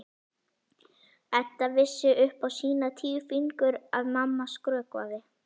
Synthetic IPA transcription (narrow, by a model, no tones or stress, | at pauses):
ɛt̪ːavɪsːɪʔʏhpawsiːnat̪ʰiːfiŋkʏɾaðmamːaskɾœːkva̰ðɪ